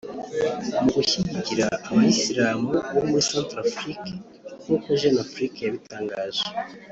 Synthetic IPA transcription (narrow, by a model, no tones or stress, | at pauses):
muɡuçiɟiciɾaːβaisiɾaːmuβomwesaːntɾafɾike | nuːkoʒenafɾikejaβitʰaːŋɡaːʒe